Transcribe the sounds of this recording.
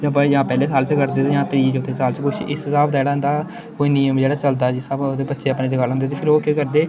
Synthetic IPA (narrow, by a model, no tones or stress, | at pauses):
d͡ʒəbjãːpɛːleːsaːlt͡ʃkəɾd̪eːt̪ːjãːt̪əɾiːt͡ʃoːt̪eːsaːlt͡ʃəkʊʃʔɪsɪsaːbd̪aːd͡ʒeːɽaːɦɛnd̪aː | koːiːniːəmd͡ʒeːɽaːt͡ʃəld̪aːd͡ʒɪsaboːd̪eːbətːʃeːəpneːd͡ʒəɡaːləŋɡd̪eːt̪eːpʰɪɾoːkeːkəɾd̪eː